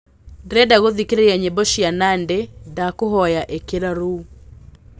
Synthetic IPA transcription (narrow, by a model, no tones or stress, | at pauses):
dɾɛdaɣoðikɾejaɲebɔʃɪanandɛdakʊɦɔjaʔekeɾaɾu